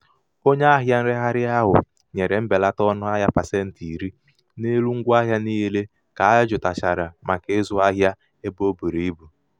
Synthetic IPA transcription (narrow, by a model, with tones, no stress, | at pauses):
o˦ɲe˦a˦ɦja˦n̩˦ɾɪ˦ɦa˦ɾɪ˦a˦ɦʊ̰˨ | ɲe˨ɾe˨m̩˦be˨la˦tɔ˦nʊ˦a˦ɦja˦pa˨se˦n̩˨ti˨i˨ɾi˦ | ne˦lu˦ŋ̩˦ɡʷa˦ɦja˦ni˦ɦe˦le˦ | ka˨a˦d͡ʒʊ˨ta˨t͡ʃa˨ɾa˨ma˨ke˦zʊ˦a˦ɦja˦ | e˦bo˦bu˨ɾi˨i˦bu˨